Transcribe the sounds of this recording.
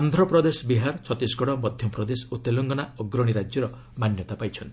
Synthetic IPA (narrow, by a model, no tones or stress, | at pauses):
and̪ʱɾɔpɾɔd̪esɔbiɦaɾt͡ʃʰɔt̪isɡɔɽ̃ɔmɔd̪ʱjɔpɾɔd̪esut̪elɔŋɡɔnaɔɡɾɔɽ̃iɾad͡ʒjɔɾɔ | manjɔt̪apajt͡ʃʰʌnt̪ʰi